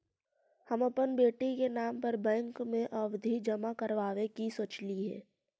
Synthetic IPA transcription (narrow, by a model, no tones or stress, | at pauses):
həmɐpənbeːʈikenaːmpəɾbɛ̃ːŋkmẽʔɐʋd̪ʱid͡ʒɐmakəɾʋaːʋekisoːt͡ʃliɦɛ̰ː